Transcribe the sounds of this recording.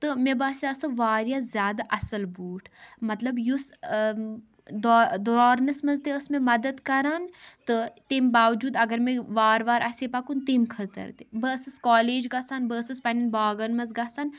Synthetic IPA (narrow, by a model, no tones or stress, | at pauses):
t̪ɨmebaːsʲjaːsɐʋaːɾjaːzjaːd̪aʔɐsɐlbuːʈʰmɐt̪lɐbjus | d̪od̪oɾaːɾnɐsmɐzt̪eəsmẽmɐd̪ɐd̪kɐɾaːnt̪ɨt̪embaːʋd͡ʒuːd̪ɐɡɐɾmẽʋaːɾʋaːɾʔɐseːpaːkunt̪emkʰɐt̪ə̰ɾd̪ebəsɨskaːleːd͡ʒɡasaːnbəːsɨspɐninbaːɡɐnmɐzɡaːsaːn